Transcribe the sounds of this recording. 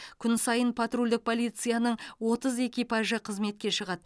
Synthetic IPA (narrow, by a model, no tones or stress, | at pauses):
kʲʰʏnsɑjənpʰat̪rulʲd̪ɪk̚pʰo̞lˠijt̪sɨjanəɴwo̞t̪əze̞kʲijpaʒəqʰəzme̞t̪̚kʲe̞ʃəʁɑd̪